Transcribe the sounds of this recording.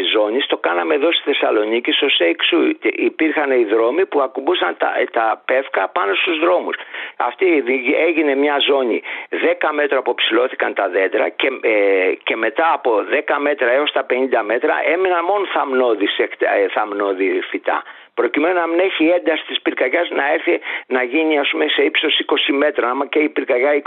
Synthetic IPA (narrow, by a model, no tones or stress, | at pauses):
izo̞ɲist̪o̞kɐnɐmeðost̪i̥sθe̞sɐlo̞nicist̪o̞seksuipiɾxɐneiðɾo̞mipuɐkubusɐnt̪ɐt̪ɐpe̞fkɐpɐno̞st̪uzðɾo̞musɐ̰ft̪iðiieʝine̞mɲɐzo̞ɲḭðe̞kɐme̞t̪ɾoɐpopsilo̞θi̥kɐnt̪ɐðe̞d̪ɾɐ̰cece̞me̞t̪ɐːpo̞ðe̞kɐme̞t̪ɾɐeo̞st̪ɐpe̞nind̪ɐme̞t̪ɾɐ̰ʔe̞minɐnmo̞nθɐmno̞ðisekt̪θɐmno̞ðifit̪ɐ̰ | pɾo̞cime̞nonɐmineçiend̪ɐsi̥t̪ispiɾkɐʝɐznɐe̞ɾθinɐʝiniɐspume̞se̞ipso̞siko̞sime̞t̪ɾɐɐmɐceipiɾkɐʝɐi